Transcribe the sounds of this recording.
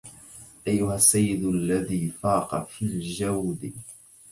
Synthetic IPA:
ʔajːʊhasːajːɪd̪alːaðiːfaːqɑfiːld͡ʒawd̪ɪ

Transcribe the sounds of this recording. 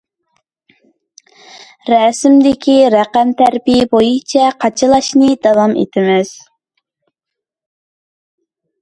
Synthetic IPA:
ɾɛsɪmd̪ɪkʲʰiɾæqæmt̪ʰæɾbijɪbojɨt͡ʃʰɛqʰɑt͡ʃʰɨlˠɑʃnɨd̪ɑwɑmḛt̪ʰɪmɪz̥

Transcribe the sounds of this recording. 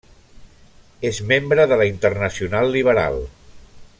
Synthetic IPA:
ezmembɾəðəlaint̪ərnəsiunalˠːiβ̞əɾa̰lˠ

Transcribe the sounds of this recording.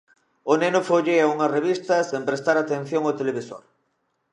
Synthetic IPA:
ʊnenʊfoʎeɐuŋɐreβist̪ɐsempɾest̪aɾat̪en̟θjoŋot̪eleβiso̰ɾ

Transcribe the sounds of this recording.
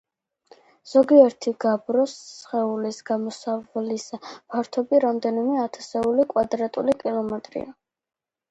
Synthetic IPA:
z̥ɔɡiɛɾt̪ʰiɡabɾɔsχɛulisɡ̥amɔsavlispʰaɾt̪ʰɔbiɾamd̪ɛnimɛat̪ʰḁsɛulikʼwad̪ɾat̪ʼulikʼilˠɔmɛt̪ʼɾḭa

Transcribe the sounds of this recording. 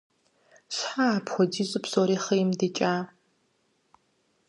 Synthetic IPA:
ɕħaːpxʷɔdiːzʼɨpsoɾiːχɐjɪmdet͡ʃʼaː

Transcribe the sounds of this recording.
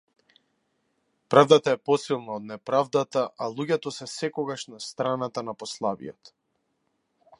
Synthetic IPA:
pɾavd̪at̪aɛpɔsilˠnaɔd̪̚nɛpɾavd̪at̪aʔalˠuɟɛt̪ɔsɛsɛkɔɡaʃnast̪ɾanat̪anapɔslˠabḭjɔt̪

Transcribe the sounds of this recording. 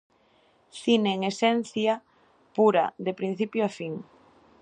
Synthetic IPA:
θineːŋesɛn̟θja | puɾɐ̰ðepɾin̟θipjoafiŋ

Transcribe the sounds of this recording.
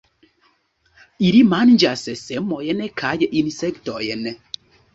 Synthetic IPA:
iɾimand͡ʒasɛsɛm̩mɔjɛnɛkʰajɛʔinisɛktɔjɛnɛ

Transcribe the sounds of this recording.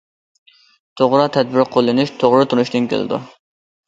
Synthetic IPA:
t̪ʰoʁɾɑt̪ʰɛd̪̚bɪɾqʰolˠːɨnuʃt̪ʰoʁɾɨt̪ʰunuʃt̪ɨnkʲʰḛlˠɨ̰d̪ṵ

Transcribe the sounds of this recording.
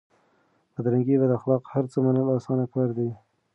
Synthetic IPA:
pəd̪ɾaŋɡibad̪əaxlɑqhaɾt͡səmanəlɑsɑnaklɑɾd̪i

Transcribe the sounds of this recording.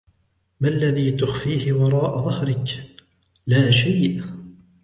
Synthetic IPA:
malːaðiːt̪ʊxfiːhɪwɑɾˤɑːʔaðˤɑhɾɪk | laːʃajʔ

